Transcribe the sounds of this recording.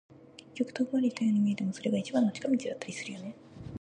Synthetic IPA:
ke̞kʲːo̞kɯ̟̥t̪oɡɯaɾʲiit̪ajoɲimʲiet̪e̞mo̞so̞ɾe̞ɡait͡ɕibãnːot͡ɕi̥kamʲit͡ɕid̪at̪ːaɾʲisɨɾɯ̟jo̞ne̞

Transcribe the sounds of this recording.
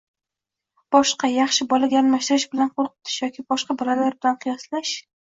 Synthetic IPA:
b̥ɒʃqɑjɑχʃɪbɒlaɡʲaːlmaʃt̪ɪɾɪʃbɪlanqʰolˠqʰɨ̥t̪ʰɪ̥ʃjɒkʲɪbɒʃqɑbɒlalaɾbɪlanqʰɨjɒslaʃ

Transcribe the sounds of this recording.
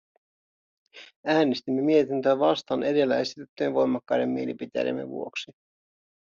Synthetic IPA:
æːnest̪imːe̞mie̞t̪int̪øːʋɑst̪ɑːnʔe̞de̞lːæe̞sit̪yt̪ːyenʋo̞jmɑkːɑjde̞mːielipit̪ḛjḛmːḛʋṵo̞ksi

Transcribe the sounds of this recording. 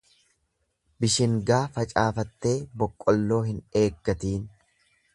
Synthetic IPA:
bɪʃɪŋɡaːfɐt͡ʃʼaːfɐt̪ːe̞ːbɔkʼːɔlːo̞ːhɪne̞ːɡːɐt̪iːn

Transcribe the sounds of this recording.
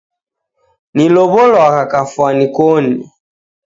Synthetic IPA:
nilɔβɔlwakakafwanikɔni

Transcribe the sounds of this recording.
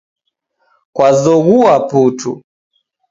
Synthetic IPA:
kwazɔɣuaputṵ

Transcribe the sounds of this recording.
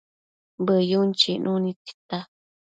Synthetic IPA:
bəjunt͡ʃinʔũnĩt̪i̥t̪a

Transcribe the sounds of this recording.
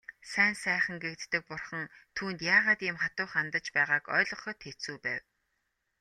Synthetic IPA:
sæːnsæːχə̆ŋɡekt̪ːɘ̆k̚pʊrχə̆ŋt̪ʰuːnt̪jaːʁaːt̪ɪmχat̪ʊːχant̪ə̆t͡ɕpæːʁaːkœ̰ːɮɞ̆χɞ̆t̪ʰet͡suːpæːw

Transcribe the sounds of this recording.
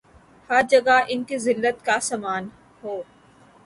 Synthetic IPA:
hɐɾd͡ʒɐɡaʔɪnkizɪlːət̪kasaːmaːn | ɦoː

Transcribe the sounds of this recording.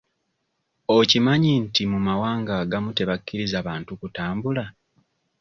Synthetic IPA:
ocimaɲintimumawaːŋɡaːɡamute̞βakːiɾizaβaːntukutaːmbula

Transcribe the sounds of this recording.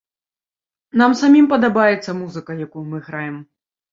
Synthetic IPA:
namsamʲimpɐd̪abajɛt̪sːɐmuzɨkɐjakujumɨɣɾajɛm

